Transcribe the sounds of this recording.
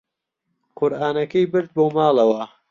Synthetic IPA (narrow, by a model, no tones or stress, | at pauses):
kʰʊɾʔaːnɐkɐjbɨɾd̪̚boːmaːlˠɐwɐ